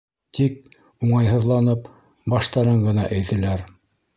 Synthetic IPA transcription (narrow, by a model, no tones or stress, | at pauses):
t̪ik̚ | uɴɑjɦɤ̆ðlˠɑnɤp | bɑʃt̪ɑɾɤɴɢɤ̆nɑʔæjt̪ɘ̆læɾ